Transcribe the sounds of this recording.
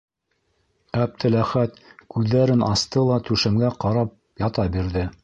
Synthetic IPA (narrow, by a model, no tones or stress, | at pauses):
æp̚t̪ʰɘlæχæt̪kʉðːæɾɘnɑst̪ɤlˠɑt̪ʉʃɘ̆mɡæqɑɾɑp̚ | jɑt̪ɑbiɾðɘ